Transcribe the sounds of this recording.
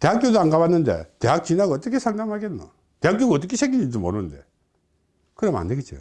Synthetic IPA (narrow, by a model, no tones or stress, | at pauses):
te̞ɦak͈jodoaŋɡabanːɯnde̞̰teɦak̚t͡ɕinaɡaʌt͈ʌkʰesʰaŋdamɦaɡenːo̰ | teɦak̬͈joɡʌt̬͈ːʌkʰeɕʰeŋɡiɲid͡ʑɯmoɾunnde̞̰ | kɯɾema̰ndeɡet̚t͡ɕio̰